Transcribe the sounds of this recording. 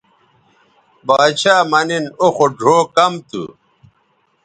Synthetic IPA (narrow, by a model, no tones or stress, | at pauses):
baːd̪ɕʰaːmɐninoxoɖʱoːkɐmt̪ṵ